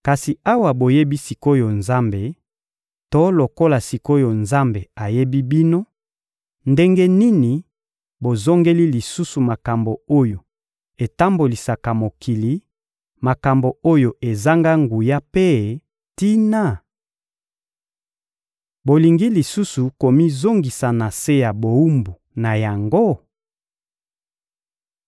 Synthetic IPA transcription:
ka˨si˨a˦wa˨bo˨je˦bi˦si˨ko˦jo˨nza˦mbe˨ | to˦lo˨ko˦la˨si˨ko˦jo˨nza˦mbe˨a˨je˦bi˦bi˦no˦ | nde˦ŋɡe˦ni˦ni˨ | bo˨zo˦ŋɡe˦li˦li˨su˦su˨ma˨ka˨mbo˨o˦jo˨ | e˨ta˦mbo˨li˨sa˨ka˨mo˨ki˨li˦ | ma˨ka˨mbo˨o˦jo˨ʔe˨za˦ŋɡa˦ŋɡu˨ja˦pe˦ | ti˦na˦˨ | bo˨li˨ŋɡi˦li˨su˦su˨ko˨mi˦zo˦ŋɡi˨sa˨na˨se˦ja˨bo˨u˦mbu˨ | na˨ja˨ŋɡo˦

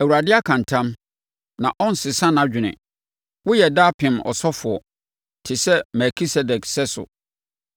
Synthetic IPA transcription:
æ˨wu˨ɾa˨dɪ˦a˦kʰã˨ntʰã˦m | nã̰˨ʔɔ̃˦n̩˨sɪ˨sã˦nã˦d͡ʑᶣɪ˨nɪ̰̃˨ | wʊ˦jɛ˨daː˦pʰɪ̃˨mɔ̰˨sɔ˦fʊ˨ɔ˨ | tʰɪ˨sɛ˦mɛ˨kʰi˦sɛ˨dɛ˨ksɛ˦sʊ̰˨

